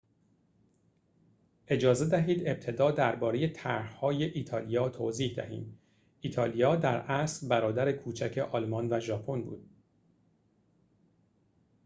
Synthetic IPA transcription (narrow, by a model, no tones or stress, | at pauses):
ʔe̞d͡ʒɒːze̞d̪æɦiːd̪e̞b̥̚t̪ʰe̞d̪ɒːd̪æɾbɒːɾe̞je̞t̪ʰæɾhhɒːje̞ʔiːt̪ʰɒːlijɒːt̪ʰoːziːhd̪æ̰hḭːm | ʔiːt̪ʰɒːlijɒːd̪æɾæsɾbæɾɒːd̪æɾekʰuːt͡ʃʰæcʰe̞ʔɒlmɒnvæʒɒːpʰo̞nbṵːd̪̥